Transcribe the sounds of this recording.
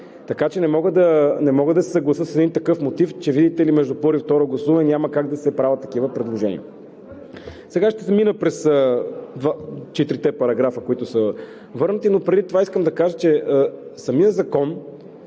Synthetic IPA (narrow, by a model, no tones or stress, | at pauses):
t̪ɐkat͡ʃɛnɛmɔɡəd̪ɐnɛmɔɡəd̪ɐsɛ̥sɐɡlˠɐsəsɛd̪int̪ɐkɤfmot̪ift͡ʃɛvid̪it̪ɛlimɛʒd̪upɔɾift̪ɔɾoɡlˠɐsuvɐnɛnʲaməkaɡd̪ɐsɛpɾavət̪ːɐk̟ivəpɾɛd̪lˠoʒɛnḭə | sɛɡaʃt̪ɛsɛminəpɾɛsəd̪vat͡ʃɛt̪ɾit̪ɛpɐɾɐɡɾafəkoit̪ʊsə | vɤɾnət̪inopɾɛd̪it̪ovaiskəmd̪ɐkaʒət͡ʃɛəsɐmijəzɐkɔn